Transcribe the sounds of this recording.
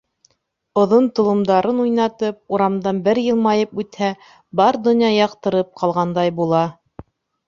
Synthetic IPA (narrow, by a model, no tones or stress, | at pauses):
ŏðont̪ŏlˠɤ̆md̪ɑɾɤnujnɑt̪ɤp̚uɾɑmd̪ɑnbɘɾjɤ̆lˠmɑjɤpʉt̪hæ | bɑɾd̪ŏnʲjɑjɑqt̪ɤ̆ɾɤp̚qʰɑlˠʁɑnd̪ɑjbulˠɑ